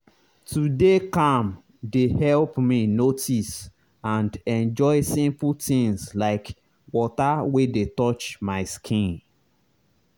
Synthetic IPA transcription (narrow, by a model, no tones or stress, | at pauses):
tudekãm | dehɛlpminotis | ãndɛ̃nd͡ʒɔɪsĩmpultĩŋslaɪk | wɔtawedetɔt͡ʃmaɪskʰĩn